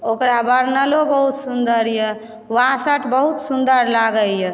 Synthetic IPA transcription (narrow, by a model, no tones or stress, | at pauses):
okɾabəɾnəlobəɦut̪sund̪əɾjɛ | wãsəʈʰbəɦut̪sund̪əɾlaɡəljɛ